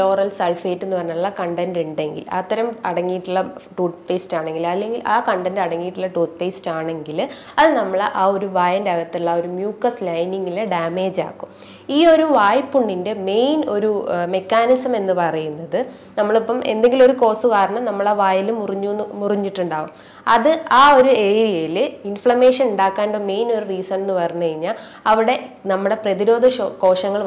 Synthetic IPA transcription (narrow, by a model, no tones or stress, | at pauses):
lo̞ːrɐlsɐlfeːtːe̞nːɨpɐrɐɲːaːɭuɭːɐkɐɳɖɐnduɳɖe̞ŋɡḭla̰ːt̪ːɐɾɐmɐɽɐŋːijiʈːuɭːɐʈuːt̪̚peːstaːɳe̞ŋɡilɐlːe̞ŋɡilʔaːkɐɳɖɐndɐɽɐŋːijiʈːuɭːɐʈuːt̪̚peːstaːɳe̞ŋɡil | ɐðɨnɐmːɐɭʔaːo̞ɾuʋaːjɐndɐɣɐt̪ːiɭːɐo̞ɾumjuːkːɐslɐjniŋɡileɖaːme̞ːd͡ʑa̰ːkːum | iːo̞ɾuʋaːjpːuɳːinde̞me̞jno̞ɾume̞kːaːnisɐme̞nːɨpɐrɐjunːɐðɨ | nɐmːɐɭipːɐme̞̰nd̪e̞ŋɡilo̞ɾuko̞ːsukaːɾɐɳɐmnɐmːɐɭaːʋaːjilumuriɲːumuriɲːiʈːuɳɖaːʋum | ɐðɨaːo̞ɾue̞ːɾijɐjilɨinfɭɐme̞ːʂɐnuɳɖaːkːaːɳɖoːme̞jno̞ɾuriːsɐmenːɨpɐrɐɲːukɐɻiɲːaːl | ɐʋiɽe̞nɐmːuɽe̞prɐðiɾo̞ːd̪ʱɐʂoko̞ːʂɐŋːɐɭ